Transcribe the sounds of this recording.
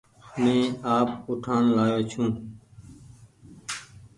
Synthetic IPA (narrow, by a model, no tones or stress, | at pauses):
mẽːaːpʊʈʰaːnlaːjoːt͡ʃʰũː